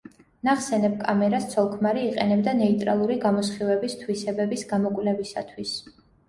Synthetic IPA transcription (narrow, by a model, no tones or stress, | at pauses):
naχsɛnɛb̚kʼamɛɾast̪sʰɔlˠkʰmaɾiːqʼɛnɛbd̪anɛit̪ʼɾalˠuɾiɡamɔsχivɛbist̪ʰwisɛbɛbisɡamɔkʼvlɛbisa̰t̪ʰwis